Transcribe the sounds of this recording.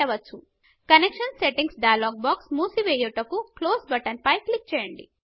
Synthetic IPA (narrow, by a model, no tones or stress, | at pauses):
ɐʋɐt͡ʃːu | kɐnekʂɐnseʈiŋɡsɖɐjɐloːɡ̚baːksmuːsiʋeːjuʈɐkukloːsbɐʈɐnpɐjklik̚t͡ʃɛːjɐɳɖḭ